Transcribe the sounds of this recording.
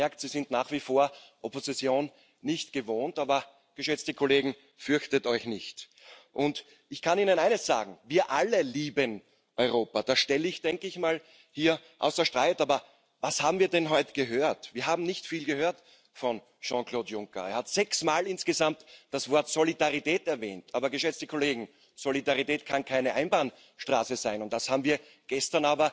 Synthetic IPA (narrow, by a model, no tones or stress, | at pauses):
mɛɐktsizɪntnaːχv̥ifoːɐʔopozit͡sjoːnː | ɪçtɡ̥əvoːntaːbɐ | ɡ̥əʃɛt͡stəkʰoleːɡŋ̩ | fʏɐçtətɔʏçnɪçt | ʔʊnt | ɪçkʰaniːnənaɪnəsz̥a̰ːɡŋ̩viːɐʔaləliːbən | ʔɔʏʁoːpad̥aːʃtɛləɪçd̥ɛŋkəɪçmaːl | hiːɐʔaʊsɐʃtʁ̥aɪtaːbɐ | vashaːbm̩viːɐdɛnɦɔʏtə̥ɡ̥əɦøːɐtv̥iːɐɦaːbm̩nɪçtfiːlɡəhøːɐt | fɔn | ʃɑ̃kloːtjʊŋkɐ̰eɐhatz̥ɛksmaːlɪnsɡ̥əzamtd̥asv̥ɔɐtsolidaʁitɛːtɛɐvɛ̰ːntaːbɐɡəʃɛt͡stəkʰoleːɡŋ̩ | z̥olidaʁitɛːtkʰankʰaɪnəʔaɪnbaːn | ʃtʁa̰ːsəzaɪnʊnt̚ːd̥ashaːbm̩viːɐ | ɡ̥ɛstɐnaːbɐ